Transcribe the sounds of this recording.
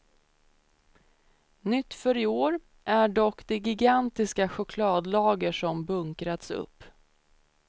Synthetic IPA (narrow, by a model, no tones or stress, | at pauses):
nʏt̪ːfœɾɪoːɾ | ʔæɖɔkːd̪ɛɡɪɡant̪ɪskaɧʊkʰlɑːd̪lɑːɡəʂɔmbɵŋkɾat̪sɵ̰pː